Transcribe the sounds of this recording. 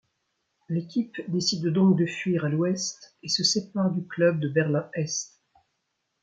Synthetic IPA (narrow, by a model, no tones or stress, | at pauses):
lekʲʰipd̪esid̪d̪ɔ̃k̚d̪əfɥiʁalwɛst̪esəsepaʁd̪yklœb̚d̪əbɛʁlɛ̃ɛst̪